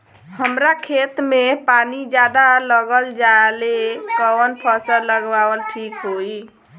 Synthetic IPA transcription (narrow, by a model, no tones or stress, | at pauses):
həmɾakʰet̪mepanid͡ʒad̪aləɡəld͡ʒalekəənpʰəsələɡʋaʋəlʈʰikɦoi